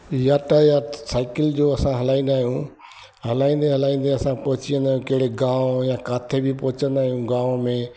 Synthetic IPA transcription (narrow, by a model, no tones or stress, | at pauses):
jaːʈəjasaːɪkɪld͡ʑoːɐsãɦɐlaːĩn̆d̪aːɦijũ | ɦɐlaːĩːnd̪ẽɦɐlaːĩːnd̪ẽɐsãpɔɦʊt͡ɕiə̃nd̪aːɦjũkɐɦɪɽeɡãːʋjãkaːt̪ʰebɪpɔɦʊt͡ɕə̃nd̪aːɦijũɡãːʋmẽ